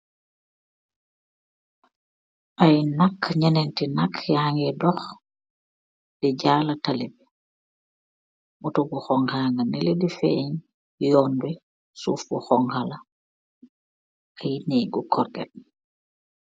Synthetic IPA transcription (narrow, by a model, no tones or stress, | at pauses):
ʔajnakɲanɛntinakʰjahaŋɡɛdɔx | d̥ɛɟalatalibɛ | mutɔɡuxɔŋhaːŋaniledifɛ̰ɲ | jɔndɛ | suːfbuxɔŋhala | ajnɛɡɔkʰɔɾɡɛ̰